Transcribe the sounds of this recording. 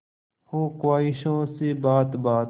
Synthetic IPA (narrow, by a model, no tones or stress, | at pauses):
hoːkwaːɪʃõːseːbaːt̪baːt̪